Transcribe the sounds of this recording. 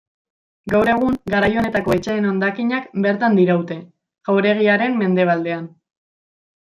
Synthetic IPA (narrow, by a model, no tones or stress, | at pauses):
ɡawɾe̞ɣ̞uŋɡaɾajo̞ne̞t̪ako̞et͡ʃeːno̞nd̪akiɲakbe̞ɾt̪and̪iɾawt̪e̞ | ɣ̥awɾe̞ɣ̞iaɾe̞mme̞nd̪e̞β̞ald̪e̞an